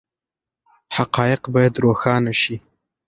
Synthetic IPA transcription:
haqɑjɪqbɑjad̪ɾoxɑnaʃi

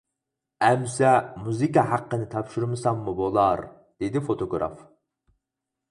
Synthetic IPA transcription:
ɛmsɛmuzikɑhæqːənɪt̪ʰɑpʃuɾmɨsɑmːubolˠɑɾ | d̪̥ed̪ɪfot̪ʰoɡɾɑ̰f

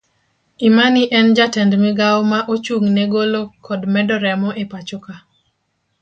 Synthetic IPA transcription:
imanɪʔɛnd͡ʒatɛndmɪɡawmaʔot͡ʃuŋnɛɡolokʰɔdmɛdɔɾɛmɔʔepat͡ʃoka

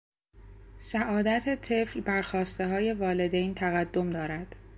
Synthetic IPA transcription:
sæʔɒːd̪æt̪ʰet̪ʰe̞flbæɾxɒːst̪e̞ɦɒːje̞vɒːle̞d̪ejnt̪ʰæɣæd̪ːo̞md̪ɒːɾæd̪̥

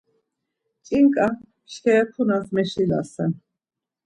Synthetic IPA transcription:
t͡ʃʼiŋkʼa | ʃkʰɛɛpʰunazmɛʃila̰sɛn

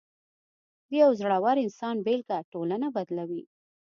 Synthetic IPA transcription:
d̪əjawzɽawaɾɪnsɑnbelkaʈolanabad̪lawi

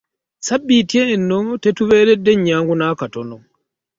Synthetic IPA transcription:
sabːitjeːnːotetuβe̞ːɾedːeɲːaːŋɡunaːkatono

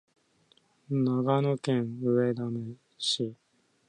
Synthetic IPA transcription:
naɡanokẽɰ̃ɯ̟ed̪ame | ɕi

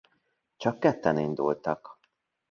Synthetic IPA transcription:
t͡ʃɒkːɛt̪ːɛnind̪ṵlt̪ɒk

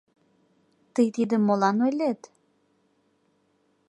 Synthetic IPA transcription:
t̪əjt̪id̪əmːolɑnojlet̪

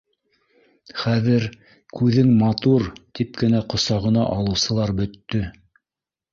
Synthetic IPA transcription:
χæðɘɾ | kʉðɘŋmɑt̪uɾt̪ip̚kɘ̆næqŏsɑʁɤ̆nɑ̰ʔɑlˠɤ̆wsɤ̆lˠɑɾbɵ̆t̪ːɵ

